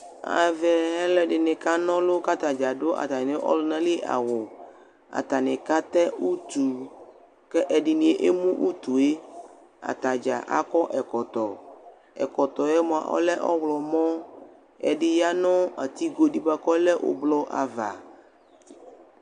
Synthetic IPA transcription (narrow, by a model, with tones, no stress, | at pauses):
a̰˨vɛ˨ɦɛ˦lɛ˦ɖɪ˨nɪ̃˨ka˦nɔ̃˦lo˦ka˦t̪a˨d͡ʒa˨ɖo˦ʔa̰˨t̪a˨n˨ne˦ʔɔ̰˦lʊ˦nã˦li˦ʔa̰˨wo˨ | a̰˨t̪a˨nɪ̃˨ka˦t̪ɛ˦u˦t̪u˨ | kɛ˦ʔɛ˨ɖɪ˨nĩ˨e˦ʔe˦mũ˦ʔu˦t̪u˨e˦ | a̰˨t̪a˨d͡ʒa̰˨ʔa̰˨kɔ˦ʔɛ˨kɔ˨t̪ɔ˨ | ɛ̰˨kɔ˨t̪ɔ˨e˦mɔ̃˨ã̰˨ʔɔ̰˦lɛ˦ʔɔ̰˦wlɔ˨mɔ̃˦ | ɛ̰˨ɖɪ˦ja˦nɔ̃˦a˨t̪i˦ɡo˨ɖi˦ba˦kɔ˦lɛ˦ʔo̰˨blɔ˦ʔa̰˨va˨